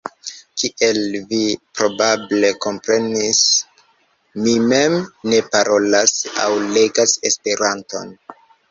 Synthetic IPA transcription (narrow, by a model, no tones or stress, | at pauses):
kiʔe̞lvipɾo̞bable̞ko̞mpɾe̞nis | mime̞mne̞paɾʔo̞lasa̰wle̞ɡasespe̞ɾanto̞̰n